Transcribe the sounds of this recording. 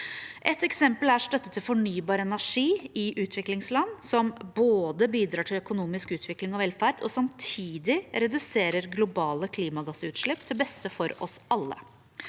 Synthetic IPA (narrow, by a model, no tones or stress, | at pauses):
ʔɛt̪ːɛksɛmpəlæʂt̪œt̪ːət̪ʰːɪlfɔɳyːbɑːɾəɛnæʂiːɪʔʉːt̪ʰʋɪklɪŋslɑnːsɔmboːd̪əbiːd̪ɾɑːʈʰɪlœkʊnuːmɪskʉːt̪ʰʋɪklɪŋɔʋɛlfæɾd̪ɔsɑmt̪ʰiːd̪ɪɾɛd̪ʉseːɾəɾɡlʊbɑːləkʰliːmɑɡɑsʉːt̪ʃʂɭɪpːt̪ʰɪlbɛst̪əfɔɾɔsʔɑlːə̰